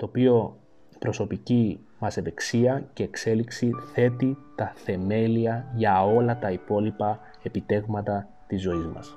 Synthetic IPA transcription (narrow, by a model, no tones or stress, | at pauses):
t̪o̞ːpio̞ | pɾo̞so̞pici | mɐse̞ðe̞ksiɐce̞ːkse̞liksiθe̞t̪it̪ɐθe̞me̞liɐʝɐo̞lɐt̪ɐipo̞lipɐ | e̞pit̪e̞vmɐt̪ɐ | t̪izːo̞izmɐ̰s